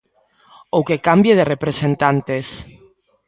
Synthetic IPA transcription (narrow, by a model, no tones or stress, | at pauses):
okekambjeðerepɾesent̪ant̪es